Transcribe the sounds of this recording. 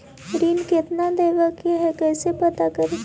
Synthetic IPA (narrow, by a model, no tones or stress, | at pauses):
ɾiːnkɪt̪nad̪eːʋakaɦɛkɛːsepɐt̪akɐɾi